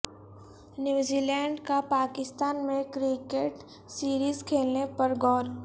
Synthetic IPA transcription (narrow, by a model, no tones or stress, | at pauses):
njuːziːlɛːɳɖkapaːkɪst̪aːnmẽkɾɪkeʈ | siːɾiːzkʰeːlnepɐɾɡʱɔːɾ